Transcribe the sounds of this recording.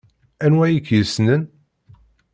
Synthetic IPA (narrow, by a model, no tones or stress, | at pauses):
ænwæjikjəsnən